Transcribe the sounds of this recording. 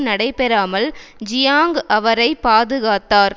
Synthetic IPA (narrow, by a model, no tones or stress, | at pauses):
nɐɽɐɪpɛɾaːmɐld͡ʒɪjaːŋɡʔɐʋɐɾɐɪpaːðɯɣaːt̪ːaːɾ